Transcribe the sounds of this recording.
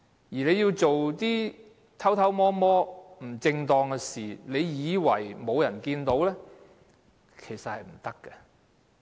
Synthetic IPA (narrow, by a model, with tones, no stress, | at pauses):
jiː˨˩le˨˧jiː˧wt͡so˨wt̪iː˥ | t̪ʰɐ˥wt̪ʰɐ˥wmɔː˥mɔː˥m̩˨˩t͡sɪ˧ŋt̪ɔː˧ŋɛ˧siː˨le˨˧jjiː˨˧wɐ̰˨˩jmo˨˧wjɐ˨˩nkiː˧nt̪o˨˥wlɛ˥ | kʰe˨˩jsɐ˨t̚hɐ˨jm̩˨˩t̪ɐ˥kːɛ˧